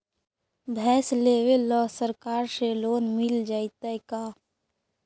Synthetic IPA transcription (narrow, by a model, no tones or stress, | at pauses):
bʱɛːsleːwelɔːsəɾkaːɾseloːnmɪld͡ʒaːit̪ajkaː